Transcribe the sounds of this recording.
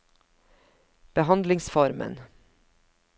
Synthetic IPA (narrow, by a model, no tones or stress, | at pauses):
b̥əhɑnd̪lɪŋsfɔɾmə̰n